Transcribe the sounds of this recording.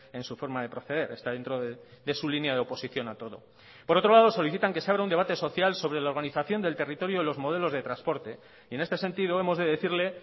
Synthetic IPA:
e̞nsufo̞ɾmaðe̞pɾo̞θe̞ð̞e̞ɾe̞st̪aðe̞nt̪ɾoðeðe̞sulinjaðeo̞po̞siθjo̞nat̪o̞ðo̞ | poɾo̞t̪ɾolað̞o̞so̞liθit̪aŋke̞seaβɾaund̪eat̪e̞so̞θjalso̞βɾe̞lao̞ɾɣaniθaθjo̞nd̪e̞lt̪e̞rit̪o̞ɾjoilo̞zmo̞ðe̞lo̞zðe̞t̪ɾanspo̞ɾt̪e̞ | ie̞ne̞st̪e̞se̞nt̪iðo̞e̞mo̞zðe̞ðe̞θiɾle̞

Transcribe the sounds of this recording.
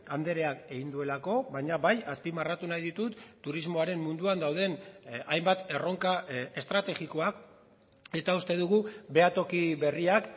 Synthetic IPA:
and̪e̞ɾe̞ake̞ɣind̪ue̞lako̞βajɲaβajaspimarat̪unajðit̪ut̪ːuɾizmo̞aɾe̞mːund̪uand̪awð̞e̞najmbat̪e̞ro̞ŋkae̞st̪ɾat̪e̞ɣiko̞ak | e̞t̪aust̪e̞ðuɣube̞at̪o̞kiβe̞riak

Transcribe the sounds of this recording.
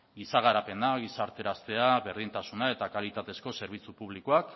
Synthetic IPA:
ɡisaɣaɾape̞naɣisaɾt̪e̞ɾast̪e̞aβe̞ɾðint̪asunae̞t̪akalit̪at̪e̞sko̞se̞ɾβ̞it͡supuβ̞likoak

